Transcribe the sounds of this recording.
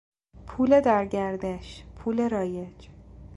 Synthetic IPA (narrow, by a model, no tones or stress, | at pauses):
pʰuːle̞d̪æɾɟæɾd̪eʃpʰuːle̞ɾɒːje̞d͡ʒ